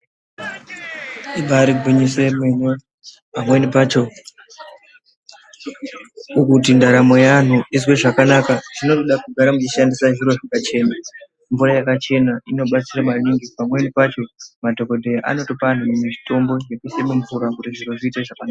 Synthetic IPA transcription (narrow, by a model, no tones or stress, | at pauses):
iɓaɾiɡʱiɲise̞mwene | pamwenipaːt͡ʃo̞ | ukut̬indaɾamo̞jan̤uizweʐakanakaʐino̞toɗakuɡʱaɾamut͡ʃiʃandisaʐiɾo̞ʐakat͡ʃe̞na | ɱvuɾajakat͡ʃe̞naino̞ɓat͡siramaniŋɡipamwe̞nipat͡ʃo̞madʱo̞ko̞dʱe̞jaʔa̰no̞topan̤umumit͡ʃi̥to̞mbo̞d͡ʒe̞kusemuɱvuɾakutiʐiro̞ʐiːteʐakanaːa